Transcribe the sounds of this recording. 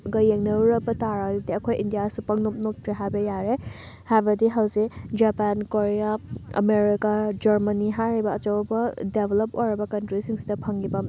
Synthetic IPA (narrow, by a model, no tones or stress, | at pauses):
ɡɐjeŋnɐɾuɾɐbɐtaɾadidiɐkʰojʔindijasupɐŋnop̚nok̚tɾeɦajbɐjaɾe | hajbɐdiɦɐwzikd͡ʒapankoɾejaɐ̰meɾikad͡ʒɐɾmɐniɦaɾibɐɐt͡ʃɐwbɐdebʱelopojɾɐbɐkɐntɾisiŋsi̥dɐpʰɐŋɡibɐ